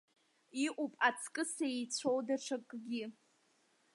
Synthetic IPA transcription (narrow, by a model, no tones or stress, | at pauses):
iʔʷupʼat͡sʰkʼɨsait͡sʷʰowdaʈ͡ʂʰakʼɡʲɪ